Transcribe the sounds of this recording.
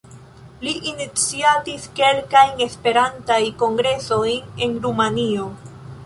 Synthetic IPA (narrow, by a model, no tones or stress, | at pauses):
liʔinit͡siatiske̞lkajne̞spe̞ɾantajko̞ŋɡɾe̞so̞jne̞nɾumanio̞